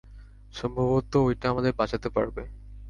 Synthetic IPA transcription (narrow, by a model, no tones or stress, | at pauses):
ʃɔmbʱoβot̪oojʈaamad̪eɾbat͡ɕʰat̪epaɾbe